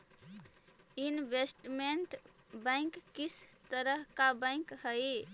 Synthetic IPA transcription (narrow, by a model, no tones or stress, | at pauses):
inbesʈmeɳʈbãɪ̃ŋkːisʰt̪əɾəɦkabãɪ̃khəj